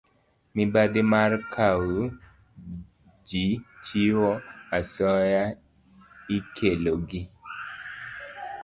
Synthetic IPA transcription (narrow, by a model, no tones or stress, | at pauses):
mɪbad̪ɪmarkʰawu | d͡ʒit͡ʃiwoasɔja | ikʰeloɡɪ